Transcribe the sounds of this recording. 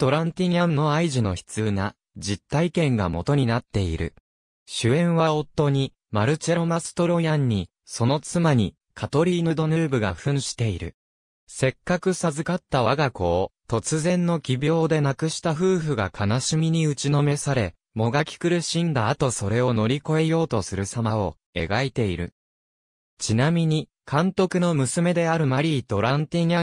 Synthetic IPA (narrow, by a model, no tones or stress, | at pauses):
t̪o̞ɾãnt̪ʲiɲãnno̞aiʑino̞çi̥t͡sɨːna | d͡ʑit̪ːaikẽ̞ŋɡa̰mo̞̰t̪o̞ɲ̟inat̪ːe̞ḭɾɯ̟̰ | ɕɨẽ̞ɰ̃βao̞t̪ːo̞ɲ̟i | maɾɯ̟t͡ɕeɾo̞masɨ̥t̪o̞ɾo̞jãɲ̟ːi | so̞no̞t͡sɨmaɲ̟i | kʰat̪o̞ɾʲiːnod̪o̞nɯ̟ːbɯ̟ɡa̰ɸɯ̟̃ɰ̃ɕi̥t̪e̞iɾɯ̟̰ | se̞kːakɯ̟sazɨkat̪ːaβaɡako̞ːt̪o̞t͡sɨzẽ̞nːo̞kʲibʲjo̞ːd̪e̞nakɯ̟ɕi̥t̪aɸɯːɸɯ̟ɡakʰanaɕimʲiɲ̟iɯ̟t͡ɕino̞me̞saɾe̞ | mo̞ɡakʲi̥kɯ̟ɾɯ̟ɕĩnd̪aːat̪o̞so̞ɾe̞o̞no̞ɾʲiko̞e̞jo̞ːt̪o̞sɨɾɯ̟samao̞ | e̞̰ɡait̪e̞iɾɯ̟̰ | t͡ɕinamʲiɲ̟i | kʰãnt̪o̞kɯ̟no̞mɯ̟sɨme̞d̪e̞aɾɯ̟maɾʲiːt̪o̞ɾãnt̪eɲʲa